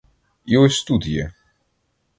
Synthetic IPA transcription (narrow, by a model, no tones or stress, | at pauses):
iwɛst̪ud̪jɛ̰